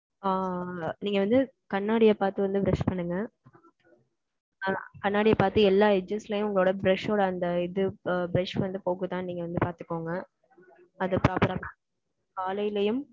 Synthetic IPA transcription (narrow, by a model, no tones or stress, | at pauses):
aːniːŋɡɐʋɐnd̪ɯ | kɐɳːaːɽɪjɐpaːɾt̪ɯʋɐnd̪ɯbɾɛʂpɐɳːɯŋɡɐ | kɐɳːaːɽɪjɐpaːɾt̪ɯɛlːaːɛd͡ʒɐslɐjʊ̃mʊŋɡɐɭoːɽɐbɾɛʂoːɽɐɐnd̪ɐɪðɯbɾɛʂʋɐnd̪ɯpoːkɯt̪ãːniːŋɡɐʋɐnd̪ɯpaːɾt̪ɯkːoːŋɡɐ | ɐðɯpɪɾaːpɐɾɐpa | kaːlɐjlɐjɯm